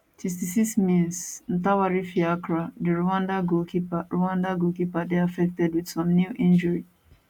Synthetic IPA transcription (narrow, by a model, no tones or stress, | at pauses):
tʰis̬tisismĩnsn̩tawaɾifiakɹadiɹuãndaɡokipaɹuwãndaɡokipadeafɛk̚tɛdwidsɔ̃mnjuʔĩnd͡ʒəɹi